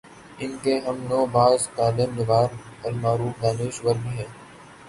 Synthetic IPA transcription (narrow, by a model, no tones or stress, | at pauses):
ɪnkeːɦəmnoːbaːzkaːlənnɪbaːɾɐlmaːɾuːfd̪aːneːʃʋəɾbiɦɛː